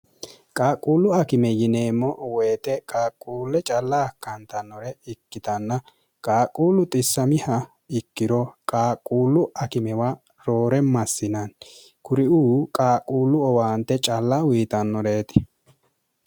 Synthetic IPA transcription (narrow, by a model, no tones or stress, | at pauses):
kʼaːkʼːuːlːʊɐkɪmɛjɪneːmːɔweːt̪ɛkʼaːkʼːuːlːɛt͡ʃʼɐlːɐːkːɐnt̪ɐnːɔɾɛɪkːɪt̪ɐnːɐ | kʼaːkʼːuːlːʊt̪ʼɪsːɐmɪhɐ | ɪkːɪɾɔkʼaːkʼːuːlːʊɐkɪmɛwa | ɾo̞ːɾɛmɐsːɪnɐn | kʊɾɪuːkʼaːkʼuːlːʊɔwaːnt̪ːɛt͡ʃʼɐlːɐwiːt̪ɐnːɔɾeːt̪ɪ̥